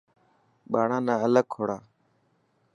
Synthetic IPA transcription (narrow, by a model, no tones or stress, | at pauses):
ɓaːɳãːnãːələɡ̚kʰːoːɽaː